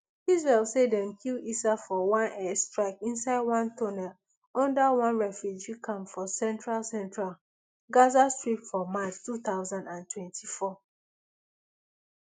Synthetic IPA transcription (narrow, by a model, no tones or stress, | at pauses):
izɹɛlsedɛ̃mkʰilisafɔwãnɛstɹaɪkĩnsaɪd̚wãntʰɔnɛl | ɔ̃ndawãnɹɛfjud͡ʒikʰãmfɔsɛ̃ntɹalsɛ̃ntɹal | ɡazastɹipfɔmat͡ʃtuθaʊzãndãntwɛ̃ntʰifɔ